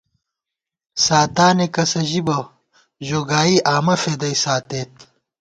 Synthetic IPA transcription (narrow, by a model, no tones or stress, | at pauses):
saːt̪aːnekɐsɐʑibɐ | ʑoːɡaːiʔaːmɐfed̪ɐisaːt̪eːt̪̚